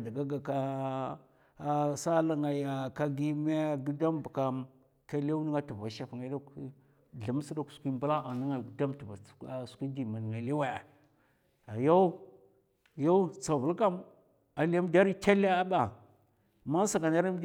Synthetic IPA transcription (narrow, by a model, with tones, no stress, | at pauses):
da˨ɡa˦ɡa˨ka˦ | sa˦la˦ŋa˨ja˨ka˦ɡi˦me˦ɡi˦da˦mba˨ka˨m | ka˦le˦ni˦ŋa˦tu˨va˨ʃa˨fŋa˨˦da˦k | ɮa˨m˦si˦da˦ksu̥˨˦kʷi˦mbu˦la˦a˨ni˦ŋa˨˦da˦mtu˨va˨skʷi˦di˨ma˨n˨ŋa˨li˦we˨ | a˨jo˦u˦ | jo˦u˦t͡sa˨vu˨lka˦m | a˨li˦a˦m˦da˦ɾi˦ta˦le˦a˦ba˦˨ | ma˦sa˨ɡa˨na˦ɾa˦